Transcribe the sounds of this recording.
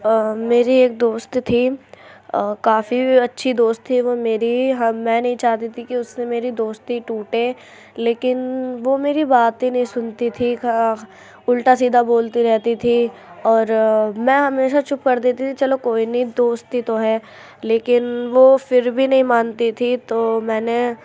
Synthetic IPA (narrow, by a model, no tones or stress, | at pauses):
meːɾieːk̚d̪oːst̪t̪ʰi | kaːfiɐtːʃʰid̪oːst̪ʰːiʋomeːɾiɦmɛ̃ːnɐɦĩt͡ʃaːɦt̪it̪ʰikiʊsnemeːɾid̪oːst̪iʈuːʈẽ | leːkɪnʋomeːɾibaːt̪inɐɦĩsʊnt̪it̪ʰika | ʊlʈas̬iːd̪ʱaboːlt̪iɾɛɦt̪it̪ʰiɔːɾmɛ̃ːɦɐmeːʃat͡ʃʊpkɐɾd̪eːt̪it̪ʰit͡ʃɐlokoːinɦĩd̪oːst̪ːit̪oɦɛː | leːkɪnʋofɪɾbʱinɐɦĩmaːnt̪it̪ʰit̪oːmɛ̃ːne